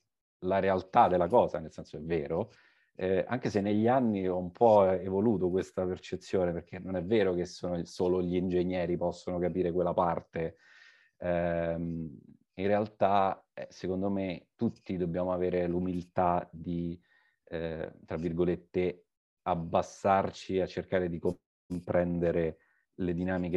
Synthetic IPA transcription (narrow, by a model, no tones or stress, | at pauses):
laɾealt̪ad̪elːakɔːza̰nelsɛnsoɛvːeːɾo | ɛa̰ŋk̟esenːeʎːianːiɔumpʰɔevoluːt̪okwest̪apert͡ʃet̪sːjoːneperk̟ʰenːonɛvːeːɾokesːoːnosoːloʎiːnd͡ʒeɲjɛːɾipɔsːonokapiːɾekwelːapart̪e | ɛm | inrealt̪aɛsekond̪omet̪ut̪ːid̪objaːmoaveːɾelumilt̪ad̪i | t̪ɾavːirɡolet̪ːe | abːasːart͡ʃiat͡ʃːerkaːɾed̪iko | mpɾʔɛnd̪eɾe | led̪inaːmike